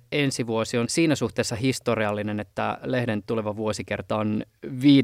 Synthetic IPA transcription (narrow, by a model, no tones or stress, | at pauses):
ensiʋuosionsiːnæsuht̪eːsːɑhist̪oriɑlːinenet̪ːælehdent̪uleʋɑʋuosike̞̰rt̪ɑonʋiː